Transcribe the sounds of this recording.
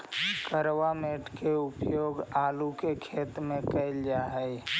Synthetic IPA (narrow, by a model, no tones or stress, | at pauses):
kəɾwameːʈʰkeʊpjoːɡaːlukekʰeːt̪mẽkəɪld͡ʒaːɦɛj